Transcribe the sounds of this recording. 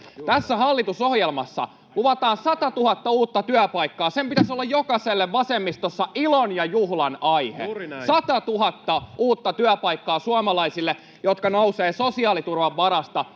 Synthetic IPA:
t̪æsːæhɑlːit̪usohjelmɑsːɑ̰ | luʋɑt̪ɑːnsɑt̪ɑt̪uhɑt̪ːɑuːt̪ːɑt̪yæpɑikːɑːsempit̪æsolːɑjjokɑselːeʋʋɑsemːist̪osːɑʔilonjɑjuhlɑnɑihḛsɑt̪ɑt̪uɦɑt̪ːɑuːt̪ːɑt̪yæpɑikːɑːsuɑmɑlɑisilːe | jot̪kɑnouseːsosiɑːlit̪urʋɑʋːɑɾɑst̪ɑ

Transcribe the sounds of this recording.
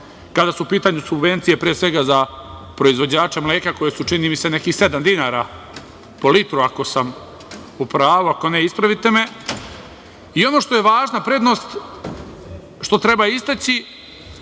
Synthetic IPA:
kad̪asuupiːt̪aːɲusubʋe̞nt̪sije̞pɾijesʋe̞ɡazapɾo̞izʋo̞d͡ʑaːt͡ʃamleːkako̞jesut͡ʃiniːmise̞ne̞kixse̞d̪amd̪inaːɾa | po̞lit̪ɾuako̞sam | upɾaːʋuako̞ne̞ispɾaʋit̪e̞me | io̞no̞ʃt̪o̞je̞ʋaːʒnapɾe̞d̪no̞ːst̪ | ʃt̪o̞t̪ɾe̞baist̪at͡ɕi

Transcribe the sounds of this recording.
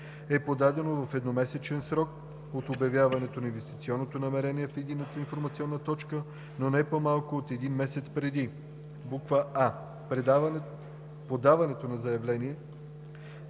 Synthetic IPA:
ɛpod̪ad̪ɛnovɐfɛd̪nomɛsɛt͡ʃɛnsɾɔk̚ | ot̪objɐvjavɐnɛt̪onɐinvɛst̪i̥t̪siɔnːot̪onɐmɛɾɛniɛfid̪inət̪əinfoɾmɐt̪siɔnːət̪ɔt͡ʃkə | nonɛpomalˠkoot̪ɛd̪inmɛsɛt̪spɾɛd̪i | bukvəa | pɾɛ | pod̪avɐnɛt̪onɐzɐjɐvlɛniɛ

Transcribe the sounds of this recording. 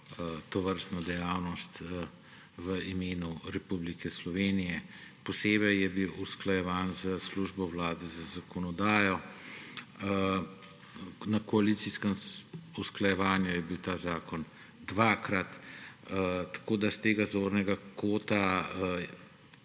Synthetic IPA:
t̪ɔʋəɾst̪nɔd̪ɛjaːwnɔst̪ | ʋəimeːnuɾɛpublikɛslɔʋeːnijɛpɔseːbɛjjɛbiwusklajɛʋaːnzəsluʒbɔwlaːd̪ɛzazakɔnɔd̪aːjɔ | nakɔalit̪siskəmusklajɛʋaːnjujɛbiwt̪aːzaːkɔn | d̪ʋaːkɾat̪ | t̪ḁkoːd̪ast̪eːɡazoːɾnɛɡakoːt̪a

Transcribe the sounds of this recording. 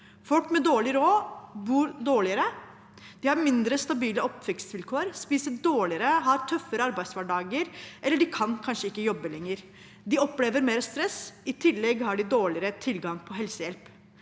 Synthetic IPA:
fɔlkmɛd̪oːɭɪɾoːbuːɾd̪oːɭɪəɾə | d̪̥ɪhɑɾmɪnd̪ɾəst̪ɑbiːləɔpʋɛksʋɪlkʰoːəɾspiːsəɖoːɭɪəɾəɦɑɾt̪ʰœfːəɾəɑɾbæɪd̪sʋæɖɑːɡəɾʔɛlːəɖɪkʰɑnkʰɑnʂəɪkːəjɔbːəlɛŋːəɾ | d̪ɪɔpːleːʋəɾmeːɾst̪ɾɛsɪt̪ʰɪlːɛɡhɑɖɪd̪oːɭɪəɾət̪ʰɪlɡɑŋpʰɔɦɛlsəjɛlp

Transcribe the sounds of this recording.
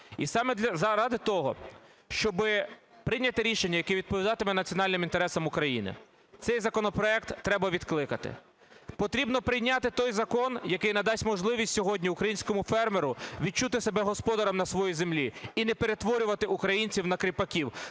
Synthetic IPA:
isɑmɛd̪lʲɐzɐɾɑd̪ɪt̪ɔɦɔ̰ | ʃt͡ʃɔbɪpɾɪjnʲːɐt̪ɪɾʲiʃenʲːɐjɐkɛʋʲid̪̚pɔʋʲid̪ɑt̪ɪmɛnɐt͡sʲiɔnɑlʲnɪmint̪eɾɛsɐmʊkɾɐjḭnɪ̰ | t̪sɛjzɐkɔnɔpɾɔɛkt̪ːɾɛbɐʋʲid̪klˠɪkɐt̪ɪ̰ | pɔt̪ɾʲibnɔpɾɪjnʲat̪ɪt̪ɔjzɐkɔnjɐkɪjnɐd̪ɑsʲtʲmɔʒlˠɪʋʲisʲtʲsʲɔɦɔdʲnʲiʊkɾɐjinʲsʲkɔmʊfɛrmeɾʊʋʲid̚t͡ʃut̪ɪsebɛɦɔspɔd̪ɐɾɐmnɐsʋɔjizemlʲiinɛpe̞ɾet̪ʋɔɾʲʊʋɐt̪ɪʔukɾɐjinʲt͡sʲiwnɐkɾʲipɐkʲiw

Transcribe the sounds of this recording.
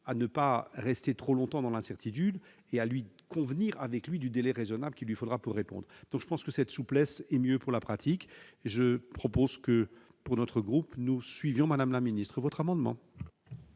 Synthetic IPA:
anəpaʁɛst̪et̪χolɔ̃t̪ɑ̃d̪ɑ̃lɛ̃sɛʁt̪it̪̬yd̪ | ealɥikʰɔ̃vniʁa̰vɛklɥid̪yd̪elɛʁezɔnabləkʲilɥifod̪ʁapuʁːepɔ̰̃d̪ʁd̪̥ɔ̃kʒə̥pɑ̃skəsɛt̪suplɛsɛmjøpuʁlapχat̪ʰikeʒəpχɔpozkə | puʁnɔt̪χəɡʁupnusɥivjɔ̃mad̪amlaminist̪χəvɔt̪χamɑ̃d̪mɑ̰̃

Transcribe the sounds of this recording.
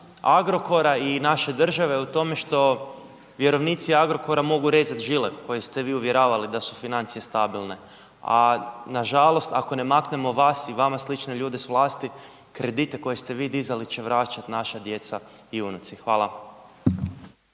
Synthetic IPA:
aɡɾo̞ko̞ɾainaʃe̞d̪r̩ʒaʋe̞ut̪o̞me̞ʃt̪o̞ | ʋje̞ɾo̞ʋniːt̪siaɡɾo̞ko̞ɾamo̞ɡuɾe̞zat̪ʒileko̞jest̪e̞ʋiːuʋje̞ɾaːʋalid̪asufinant̪sije̞st̪abilˠne̞ | a̰naʒalˠo̞st̪ako̞ne̞makne̞mo̞ʋaːsiʋamaslit͡ʃne̞ʎuːd̪esʋlˠaːst̪i | kɾe̞d̪it̪e̞ko̞je̞st̪e̞ʋiːd̪izalit͡ɕe̞ʋɾat͡ʃat̪naʃad̪je̞t̪sa | iunut̪sixʋaːlˠa

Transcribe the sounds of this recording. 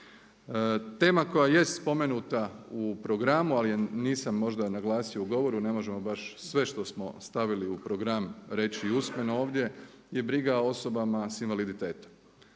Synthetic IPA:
t̪e̞ːmako̞jaje̞st̪spo̞me̞nut̪aupɾo̞ɡɾamualijeniːsamːo̞ʒd̪anaɡlˠaːsiouɡo̞ʋo̞ɾune̞mo̞ʒe̞mo̞baʃsʋe̞ʃt̪o̞smo̞̰st̪aʋiliupɾo̞ɡɾamɾe̞t͡ɕiːusme̞noo̞ːʋd̪ʲje̞ | je̞bɾiɡao̞so̞bamasinʋalid̪it̪e̞ːt̪o̥m

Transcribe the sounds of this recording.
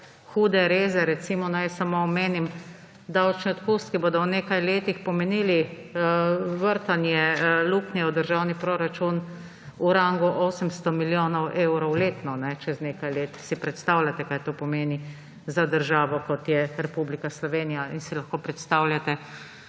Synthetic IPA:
xuːd̪ɛɾeːzɛɾɛt̪simɔnajsamoːmeːnim | d̪awt͡ʃniɔt̪kust̪kiboːd̪ɔwneːkajleːt̪ixpɔmɛniːli | ʋəɾt̪anjɛlukniɛwd̪əɾʒawnipɾoːɾat͡ʃun | uɾaŋɡuʔoːsəmst̪ɔmiljoːnɔwʔewɾɔwleːt̪nɔnɛt͡ʃɛznekajleːt̪sipɾɛt̪st̪awlʲjat̪ɛkajt̪oːpɔmeːni | zad̪əɾʒaːʋɔkɔt̪jɛɾɛpublikaslɔʋeːnijainsilaxkoːpɾɛt̪st̪awlʲjat̪ɛ

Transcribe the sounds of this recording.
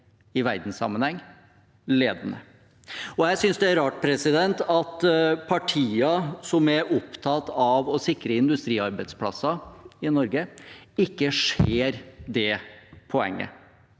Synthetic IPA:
ɪʋæɾd̪n̩sɑ̰mːənhɛŋː | leːd̪ənə | ɔjæɪsʏnsd̪ɛæɾɑːʈ̚pʰɾɛsɪd̪ɛnt̪ɑt̪pʰɑʈʰiːɑsɔmæɾʔʊpt̪ʰɑt̪ɑʋɔsɪkɾəɪnd̪ʉst̪ɾiːɑɾbæɪd̪spʰlɑ̰sːɑɪnɔɾɡəɪkːəʂeːɾd̪ɛpʰɔɛ̰ŋːə̰

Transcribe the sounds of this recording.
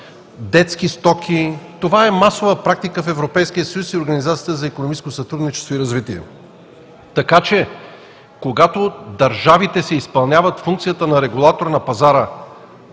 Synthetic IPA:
d̪ɛt̪skist̪ɔkʰʲit̪ovaɛmasovəpɾak̚t̪ikəfɛvɾopɛjskijəsɐjusioɾɡɐnizat̪siəəzɐikonomit͡ʃɛskosɐt̪ɾud̪nit͡ʃɛst̪voiɾɐzvit̪iɛ̰ | t̪ɐkat͡ʃɛ | koɡat̪od̪ɐɾʒavit̪ɛsɛispɐlˠnʲjavət̪fuŋk̚t̪sijət̪ənɐɾɛɡulˠat̪oɾnɐpɐzaɾə

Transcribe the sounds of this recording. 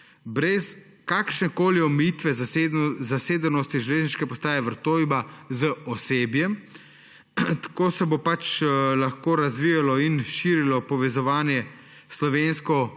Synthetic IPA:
bɾɛs | kaːkʃnɛkoːliɔmɛjit̪ʋɛ | zaseːd̪ənɔst̪iʒɛleːzniʃkɛpɔst̪aːjɛʋəɾt̪oːjbazəɔseːbjɛm | t̪ḁkoːsɛbopat͡ʃlaxkoːɾazʋijalɔinʃiːɾilɔpɔʋɛzɔʋaːnjɛ | slɔʋeːnskɔ

